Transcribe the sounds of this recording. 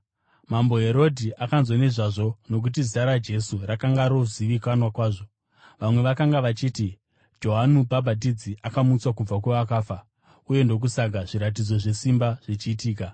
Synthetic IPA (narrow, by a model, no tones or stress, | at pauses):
mambo̞ɦe̞ɾo̞dʱiʔakanzwoneʐaʐo̞no̞k̬ut̬iziaɾad͡ʒe̞surakaŋɡaɾo̞ziʋikanwakwaːʐo | ʋamwe̞ʋakaŋɡaʋat͡ʃiːti | d͡ʒo̞ɦanubʱabʱadid͡ziʔakamut͡swakub͡vak̬weʋak̬aːfa | uje̞ndo̞k̬usaɡʱaʐiɾat̬id͡zo̞ʐe̞simbaʐ̥it͡ʃiːtiːka